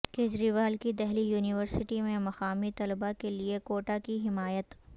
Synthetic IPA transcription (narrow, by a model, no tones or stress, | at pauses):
keːd͡ʒɾiʋaːlkid̪ɛɦlijuːnɪʋəɾsɪʈimẽmɐxaːmit̪ɐlbakeliekoːʈakiɦɪmaːjət̪